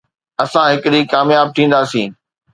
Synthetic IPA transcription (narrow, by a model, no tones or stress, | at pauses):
ɐsãɦɪkɗikaːmjaːb̚t̪ʰĩːn̆d̪aːsĩː